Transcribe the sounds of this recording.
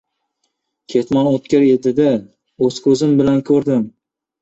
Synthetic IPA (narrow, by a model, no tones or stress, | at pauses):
kʲʰe̞t̪mɒnot̪kʲɪɾed̪ɪd̪a | ɵz̥kʲʰɵzɪmbɪlankʰɵɾd̪ɪm